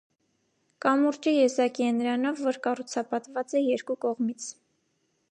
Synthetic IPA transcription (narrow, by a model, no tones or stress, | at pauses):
kɑmuɾt͡ʃijɛzɑkiɛnɾɑnɔvːɔɾkɑrut͡sʰɑpɑt̪vɑt͡sɛjɛɾkukɔʁmit͡sʰ